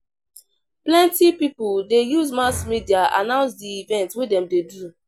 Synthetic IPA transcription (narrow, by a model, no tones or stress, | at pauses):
plɛ̃ntipipuldejuzmasmidiaa̰nãʊ̃nsdiivɛ̃ntwedɛ̃mdedu